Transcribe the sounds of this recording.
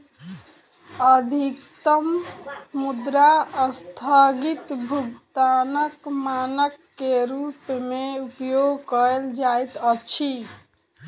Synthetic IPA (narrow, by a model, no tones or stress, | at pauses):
əd̪ʱikt̪əmː | ud̪ɾaəst̪ʰəɡit̪bʱuɡt̪anəkmanəkːeɾupmeupjoɡkəeld͡ʒajt̪ət͡ʃʰi